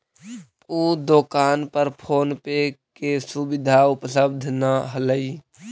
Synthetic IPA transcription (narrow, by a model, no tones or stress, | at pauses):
uːd̪oːkaːnpəɾpʰoːnpekesubɪd̪ʱaʊpləb̚d̪ʱnaɦələiː